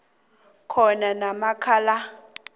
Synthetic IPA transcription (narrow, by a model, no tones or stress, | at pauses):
kʰɔnanamakʰala